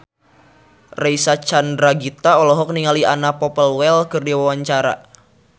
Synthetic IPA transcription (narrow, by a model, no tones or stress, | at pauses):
reisat͡ʃandɾaɡit̪aɔlɔɦɔk̚niŋalianapɔpəlwɛlkɨrdiwawaɲt͡ʃaɾa̰